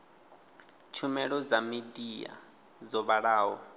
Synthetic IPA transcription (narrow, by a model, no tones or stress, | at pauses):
t͡ʃʰumɛɺɔd͡zamidia̰ | zɔβaɺaːɦɔ